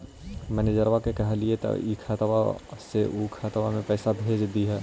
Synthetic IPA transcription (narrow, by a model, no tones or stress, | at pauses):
mɛːneːd͡ʒəɾʋakekɐɦliet̪ɐ̰ikʰaːt̪wa̰seʔukʰaːt̪ʋamẽpɛːsabʱeːd͡ʒd̪iɦɛː